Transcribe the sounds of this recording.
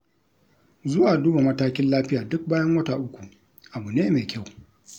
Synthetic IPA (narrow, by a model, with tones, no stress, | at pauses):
zʊ˦waː˨duː˦ba˨mɐ˦taː˦kʲɪ˦nlaː˦ɸɪ˦jaː˨dʊ˦k̚baː˦jɐ˦ŋwɐ˦taː˨ʔʊ˦kʷu˨ | ʔa˨bu˨neː˦me˨kʲʰa˦˨w